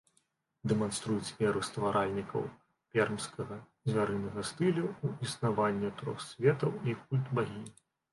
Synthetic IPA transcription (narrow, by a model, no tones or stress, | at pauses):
d̪ɛmanst̪ɾujut͡sʲmʲɛɾust̪vaɾʔalʲnʲikɐ̰w | pʲɛrmskɐɣɐ | zʲvʲaɾɨnɐɣɐst̪ɨlʲuuisnavanʲːɛt̪ɾɔ̰xsʲvʲɛt̪ɐwik̚ulʲt̪baɣʲi